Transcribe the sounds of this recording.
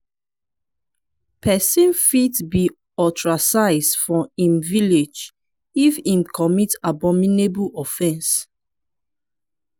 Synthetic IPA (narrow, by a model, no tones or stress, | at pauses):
pɛsĩnfitbi | ɔtɹasaɪsdfɔĩmviled͡ʒ | ifĩmkʰɔmitabɔ̃minebuɔfɛ̃ns